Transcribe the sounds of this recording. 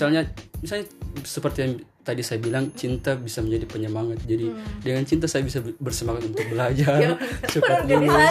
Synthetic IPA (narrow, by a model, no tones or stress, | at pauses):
alɲamisalɲasəpərt̪ijaŋt̪adisajabilaŋt͡ʃint̪abisaməɲd͡ʒadipəɲəmaŋat̪̚d͡ʒadidəŋant͡ʃint̪asajabisabərsəmakat̪unt̪ʊk̚bəlad͡ʒarsəpət̪məlu